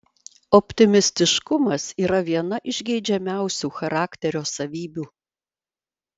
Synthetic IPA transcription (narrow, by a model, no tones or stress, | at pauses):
ɔpʲt̪ʲɪmʲɪsʲt̪ʲɪʃkʊmɐsiːɾɐʋʲiɛnɐʔɪʒʲɡʲɛɪd͡ʒʲɛmʲæˑʊsʲuːxɐɾɑːkʲt̪ʲɛɾʲoːsɐʋʲiːbʲuː